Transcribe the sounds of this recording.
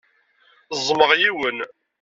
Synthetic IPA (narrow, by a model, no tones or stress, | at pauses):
zˤməʁjiwən